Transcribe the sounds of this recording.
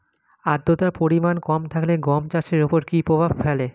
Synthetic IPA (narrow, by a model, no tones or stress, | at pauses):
ad̪ːot̪aɾpoɾimankɔmt̪ʰakleɡɔmt͡ɕaʃeɾopoɾkipɾobʱabfɛle